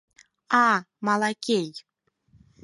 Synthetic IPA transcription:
a | mɑlˠakʲej

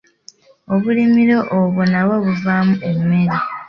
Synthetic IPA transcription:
oβulimiɾo̞ʔoβunaβoβuvaːmuʔemːe̞ɾi

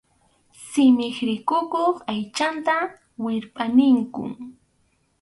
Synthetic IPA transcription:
sɪmɪχɾɪkʊkoχajt͡ʃant̪a | wɪɾpʼanɪŋkʊ̰ŋ

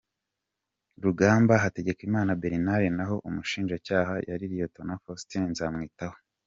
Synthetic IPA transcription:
ɾuɡaːmbaɦate̞ɟe̞kimaːnabe̞ɾinaɾenaɦo̞ʔumuʃiːnʒacaːɦajʔaɾiɾijoto̞nafostinnzaːmŋiːtaho̥

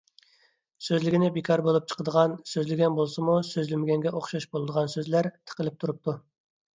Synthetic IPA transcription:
søzlɪɡʲɪnɪbekʰɑɾbolˠup̚t͡ʃʰə̥qʰəd̪əʁɑnsøzlɪɡʲɛnbolˠsɨmusøzlɪmɪɡʲɛŋɡʲɛʔoχʃɑʃbolˠɨd̪əʁɑnsøzlæɾt̪ʰə̥qəlɪp̚t̪ʰuɾup̚t̪ʰu

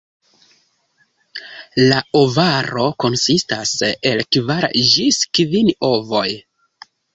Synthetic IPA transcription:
laovaɾo̞ko̞nsistase̞lkvaɾd͡ʒiskvino̞vo̞j

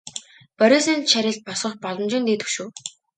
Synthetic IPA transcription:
pœɾʲeːsĭnʃæɾʲɪ̆ɬt̪̚pɔsɞ̆χpɔɮɞ̆mt͡ɕɪ̆nt̪eːt̪ɵ̥ʃuː

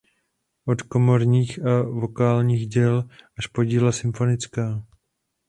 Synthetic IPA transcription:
ʔo̞t̪ko̞mo̞ɾɲiːxʔavo̞kaːlɲiːɣɟɛlʔaʃpo̞ɟiːlasɪmfo̞nɪt͡skaː

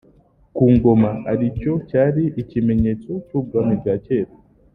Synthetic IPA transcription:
kuːŋɡo̞maaɾico̞caːɾiʔicime̞ɲet͡so̞cuːɡwamibaceːɾa

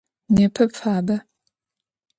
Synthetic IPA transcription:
neːpʰɐpfaːbɐ

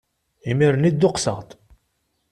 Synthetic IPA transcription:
imiɾnid̪ːʊqsə̰ʁt̪

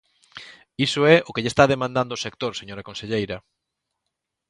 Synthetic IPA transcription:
isʊɛʔʊkeʎest̪aðemãnd̪and̪oːsek̚t̪oɾseɲoɾɐkonseʎejɾɐ

